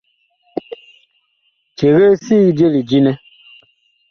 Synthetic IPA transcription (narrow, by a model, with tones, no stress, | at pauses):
t͡ʃe˨ɣe˦si˦ɣd͡ʒe˦li˨d͡ʒi˦nɛ˦